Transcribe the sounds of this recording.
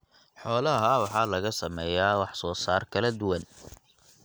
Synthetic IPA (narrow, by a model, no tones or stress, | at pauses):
ħɔːlɐɦɐwɑħɑːlɐɣɐsɐmɛːjaːwɑħsɔːsaːrkʰɐlɐd̪ʊwɐn